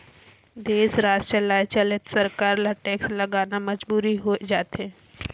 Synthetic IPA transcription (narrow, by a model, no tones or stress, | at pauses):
d̪eːsɾaːd͡ʒt͡ʃəlaːet͡ʃɐlət̪sɐɾkaːɾlaʈɛːkslɐɡaːnamɐd͡ʒbuːɾiɦoːed͡ʒaːt̪ɦeː